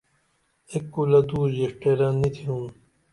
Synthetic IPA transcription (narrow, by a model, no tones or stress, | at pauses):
ekːulɐd̪uːd͡ʑeʂʈeɾanːit̪ʰiũː